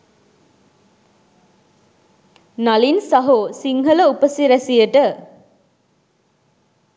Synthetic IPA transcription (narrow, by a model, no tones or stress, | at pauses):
nalinsɐɦosiŋɦələupəsiɾæsijəʈə